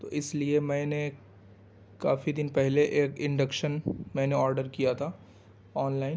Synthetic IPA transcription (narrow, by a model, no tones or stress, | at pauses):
t̪o̰ːɪsliemɛ̃ːne | ka̰ːfid̪ɪnpɛɦleʔeːkɪ̃ɳɖəkʃənmɛ̃ːneɔːɾɖəɾkijat̪ʰaː | ɔːnlaːɪn